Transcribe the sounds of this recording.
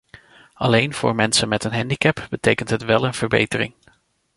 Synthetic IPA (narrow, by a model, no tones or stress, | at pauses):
ɑlejnv̥ʊ̰ːɹmɛnsənmɛtənɦɛndikɛpb̥ətejkəntɦətʋɛlˠənv̥əɹbḛjtərɪ̰ŋ